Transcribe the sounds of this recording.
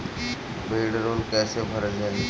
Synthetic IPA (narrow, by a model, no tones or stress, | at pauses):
beːɽɾoːnkɛːsebʱəɾəd͡ʒa